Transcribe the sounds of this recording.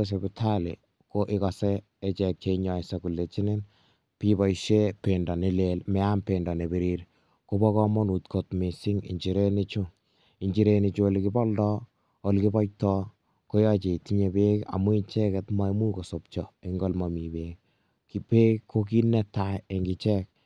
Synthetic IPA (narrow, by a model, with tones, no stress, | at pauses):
e˦s̬ebɪ˨tʰa˦lɪ̰˨ | ko˦ʔɪ˦kɔ˨sɛː˦ | t͡ʃɛ˨k̚t͡ʃei˦ɲɔ˨se˦ku˨lːe˨t͡ʃi˦nɪ˦n | pibɔ˨iʃe˦pendɔ˨ne˦lelmɛ˦a˦mpendɔ˨ne˨be˨ɾiɾ | ko˦bɔ˦kɔ˦mɔ˦nu˨tkʰotme˨sɪ˦ŋḭ˨ɲt͡ʃi˨ɾe˦nɪ˦t͡ʃʊ˦ | i˨ɲd͡ʒi˨ɾe˧ni˨t͡ʃo˦likɪ˦bɔ˦ldɔ˦ | o˨lki˦bɔ˦j̚tɔ˦ | ko˦ja˦t͡ʃe˨ti˦ɲe˨be˦ka̰˨mu˦i˦ɲt͡ʃɛ˦ke˨tma˦i˦mu˦ko˨sop̚t͡ʃɔ˨e˦ŋɡɔ˦lmɔ˨mi˨be˦k | kipe˦kkʰːo˦ki˦nɛ˦tae˨ŋɡɪ˨t͡ʃɛ˦k̚